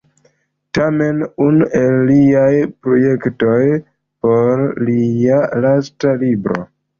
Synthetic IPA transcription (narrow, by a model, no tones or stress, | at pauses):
tame̞nunuʔe̞lːiajpɾo̞je̞kto̞j | po̞ɾlialastalibɾo̞̰